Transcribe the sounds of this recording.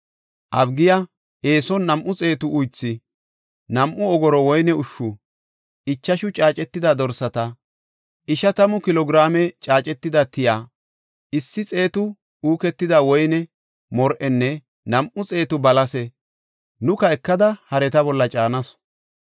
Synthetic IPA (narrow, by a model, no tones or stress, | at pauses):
ʔɐbɡɪja | ʔeːsɔnːɐmʔʊt͡sʼe̞ːt̪ʊʔʊjt͡sːɪ | nɐmʔʊɔɡɔɾɔwɔjnɛʊʃːʊ | ɪt͡ʃːɐʃʊt͡ʃʼaːt͡ʃʼɛt̪ːɪd̪ɐd̪ɔɾsɐt̪ɐ | ʔɪʃɐt̪ɐmʊkɪlɔɡɾaːmɛt͡ʃʼaːt͡ʃʼɛt̪ːɪd̪ɐt̪ɪjaː | ɪsːɪt͡sʼe̞ːt̪ʊ | uːkɛt̪ːɪd̪awɔjnɛ | mɔɾʔɛnːɛ | nɐmʔʊt͡sʼe̞ːt̪ʊbɐlɐsɛ | nʊkɐɛkːɐd̪ɐhɐɾɛt̪ɐbɔlːɐt͡ʃʼaːnɐsɔ̥